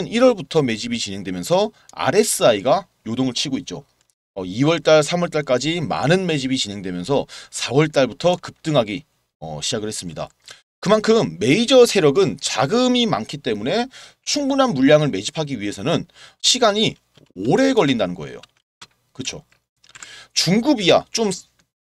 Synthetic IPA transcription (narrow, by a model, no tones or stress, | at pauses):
niɾwʌɭbutʰʌme̞d͡ʑibit͡ɕinɦe̞ŋdwe̞mjʌnsʰʌ | a̰ɾe̞s͈ɯaiɡa | jodoŋɯɭt͡ɕʰiɡoit̚t͡ɕ͈o | ʌiwʌɭt͈aɭsʰamwʌɭt͈aɭk͈ad͡ʑima̰nɯnme̞d͡ʑibit͡ɕinɦe̞ŋdwe̞mjʌnsʰʌsʰawʌɭt͈aɭbutʰʌkɯp̚t͈ɯŋɦaɡi | ʌ̰ɕʰid͡ʑaɡɯɭhe̞s͈ɯmɲida̰ | kɯmankʰɯmːe̞id͡ʑʌsʰe̞ɾjʌɡɯnt͡ɕaɡɯmima̰ŋkʰit͈e̞mune̞ | t͡ɕʰuŋbunɦanmuʎːaŋɯɭme̞d͡ʑipʰaɡiɥiɦe̞sʰʌnɯnɕʰiɡaɲi | oɾe̞ɡʌʎːindanɯnɡʌ̰e̞̰jo̰ | kɯt͡ɕʰo | t͡ɕuŋɡubijat͡ɕ͈om